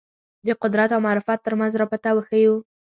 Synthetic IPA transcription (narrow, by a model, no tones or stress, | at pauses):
d̪əqʊd̪ɾat̪awmaɾɪfɑt̪ːəɾmanzɾɑpat̪awəxəju